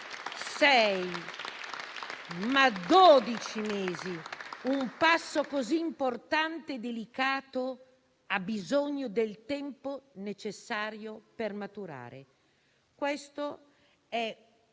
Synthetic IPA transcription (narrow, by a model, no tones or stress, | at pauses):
sɛj | mad̪od̪it͡ʃimeːziumpasːokoziːmport̪ant̪ed̪elikaːt̪o | abːizoɲːod̪elt̪ɛmponet͡ʃesːaːɾjopermat̪uɾa̰ːɾḛ | kwɛst̪o | ɛ